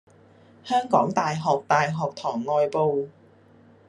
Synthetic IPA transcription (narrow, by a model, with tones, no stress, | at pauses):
hœː˥ŋkɔː˨˥ŋt̪aː˨jɦɔː˨k̚t̪aː˨jɦɔː˨k̚t̪ʰɔː˨˩ŋːɔː˨˧jpo˨w